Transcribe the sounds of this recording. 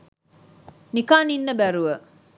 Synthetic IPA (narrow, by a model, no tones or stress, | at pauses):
nikaːninːəbæɾuʋə